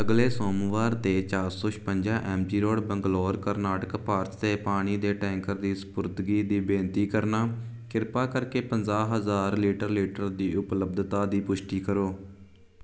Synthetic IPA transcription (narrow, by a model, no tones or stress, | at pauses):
əɡleːsoːmʋaːɾt̪eːt͡ʃaːɾsɔːʃpəɲd͡ʒãːʔɛːmd͡ʒiːɾoːɽbəŋɡloːɾkəɾnaːʈəkpaːɾt͡ʃt̪eːpaːɽ̃iːd̪eːʈɛ̃ːŋkəɾd̪iːsə̥pʊɾt̪ɡiːd̪iːbẽːnt̪iːkəɾnaː | kɪɾpaːkəɾkeːpənd͡ʒaːɦəzaːɾliːʈəɾliːʈəɾd̪iːʔʊpləbd̪t̪aːd̪iːpʊʃʈiːkəɾoː